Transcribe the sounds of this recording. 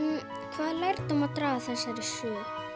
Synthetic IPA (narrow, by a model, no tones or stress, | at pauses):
kʰvaːðlajɾt̪umaðt̪ɾaːvaθɛsːaɾɪsœː